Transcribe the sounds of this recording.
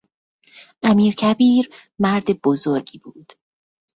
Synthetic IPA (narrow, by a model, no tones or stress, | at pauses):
ʔæmiːɾcʰæbiːɾmæɾd̪eb̥ozoɾɟiːb̥uːd̪̥